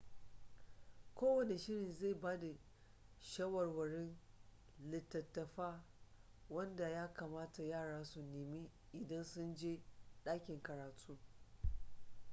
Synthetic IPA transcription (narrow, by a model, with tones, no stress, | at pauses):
kʷoː˦wɐ˨ne˨ʃɪ˦ɽɪ˨nze˦˨baː˦da˨ | ʃɐ˦wɐ˨rwɐ˨ɽɪ˦n | lɪ˨tːɐ˨tːɐ˨ɸaː˦ | wɐ˦nda˨jaː˦ka˨maː˦ta˨jaː˦˨ɽaː˦su˨neː˨miː˦ | ʔɪ˨dɐ˦nsʊ˦nd͡ʒeː˦ɗaː˦kʲɪ˨ŋkɐ˨ɾaː˨tʰʼuː˦